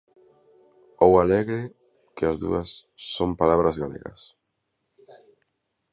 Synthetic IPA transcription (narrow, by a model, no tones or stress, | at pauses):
owalɛɣɾɪ | kɪazðṵɐsːompalaβɾazɣalɛ̰ɣɐ̰s